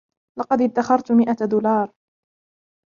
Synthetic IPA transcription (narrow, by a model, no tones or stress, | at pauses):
lɑqɑd̪ɪd̪ːaxɑɾˤt̪mɪʔad̪uːlɑːɾˤ